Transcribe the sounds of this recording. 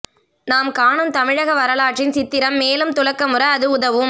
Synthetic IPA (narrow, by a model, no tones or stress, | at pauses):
naːmkaːɳɯmt̪ɐmɪɻɐɣɐʋɐɾɐlaːʈrɪnsɪt̪ːɪɾɐmːeːlɯmt̪ʊlɐkːɐmɯɾɐɐðɯʊðɐʋɯm